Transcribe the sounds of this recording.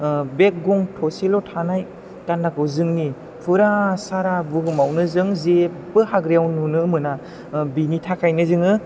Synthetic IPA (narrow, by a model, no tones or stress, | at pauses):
bek̚ɡɔŋtʰɔselɔtʰanaj | tanːakɯwzɯŋni | pʰɯɾasaɾabɯɡɯmawnɯzɯŋze | bɯhaɡɾijawnunɯmɯna | binitʰakʰajnɯzɯŋɯ